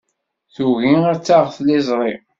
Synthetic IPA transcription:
θuɣiaɾt͡sːaʁθlɪzˤɾˤi

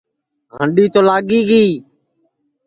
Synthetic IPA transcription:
ɦəɳɖiːt̪oːlaːɠiːɡiː

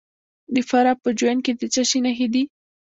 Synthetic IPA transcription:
d̪əfaɾɑpəd͡ʒwanked̪ət͡ʃaʃinaxed̪i

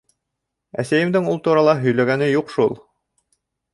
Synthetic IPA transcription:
æ̰sæjɘ̆md̪ɘŋulˠt̪uɾɑlˠɑɦɵ̆jlæɡænɘjuqʃulˠ

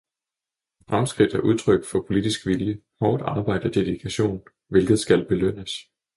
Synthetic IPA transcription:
fʁamsɡ̥ʁid̥æɐʔuð̞ˠt͡sʰʁœɡ̥fɒ̽pʰo̝lid̥isɡ̥ʋiljə | hɒːd̥ɑ̈ːb̥ɑ̈ɪ̰d̥ɐd̥e̝ðˠikʰæɕo̝̰ːn | ʋe̝lɡ̥ð̞̩ˠsɡ̥ælb̥e̝løn̰əs

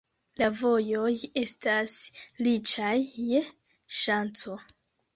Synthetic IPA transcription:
lavo̞jo̞je̞staslit͡ʃajːe | ʃant͡so̞

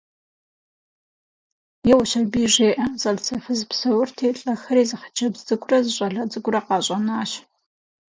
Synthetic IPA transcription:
jɛwʊɕɐbiːʒeːʔɐzɐɮsɐfɨzpsɐwʊrtʰeːɬʼɐxɐɾiːzɨχə̥t͡ʃʰɐbzɨɡʷʊrɐzɨɕʷʼɐɮɐd͡zɨɡʷʊrɐqɑːɕʼɐnaːɕ

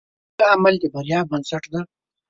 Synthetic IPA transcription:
lamald̪əbaɾjɑːbbansaʈd̪aɾ

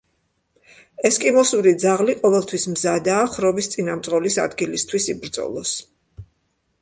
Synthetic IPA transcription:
ɛskʼimɔsuɾid̪zaʁliqʼɔvɛlˠt̪ʰwismzad̪aːχɾɔbist̪sʼinamt̪sʼʁʼɔlisa̰d̪ɡilist̪ʰwisibɾd̪z̥ɔ̰lˠɔs

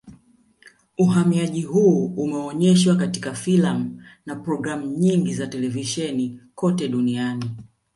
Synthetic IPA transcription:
uhamiaʄihuːumɛɔɲɛʃwakatikafilam̩napɾɔɡɾam̩ɲiŋɡizatɛlɛviʃɛnikɔtɛɗuniani

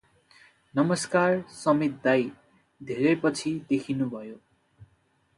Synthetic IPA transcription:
nʌmʌskarsʌmet̪̚d̪aj | d̪ʱeɾʌpʌt͡sʰid̪ekʰinubʱʌjo

